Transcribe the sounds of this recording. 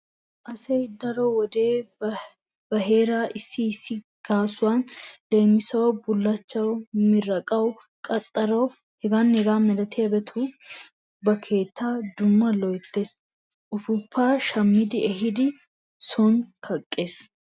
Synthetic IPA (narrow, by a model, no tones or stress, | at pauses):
ʔɐsɛjd̪ɐɾɔwɔd̪eː | b̥ɐɦe̞ːɾaːʔɪsːɪːsːɪ | ɡ̥aːsʊwanle̞ːmɪsɐwbʊlːɐt͡ʃːɐwmɪɾɐkʼɐw | kʼɐt̪ʼːɐɾɐw | hɛɡaːnhɛɡaːmɛlɐt̪ʰɪjɐbɛt̪ʰu | bɐkʰe̞ːt̪ːaːd̪ʊmːɐlɔjt̪ːe̞ːs | ʔʊfʊpʰːaːʃɐmːɪd̪ɪɛɦɪd̪ɪ | sɔnkʰɐkʼːe̞ːs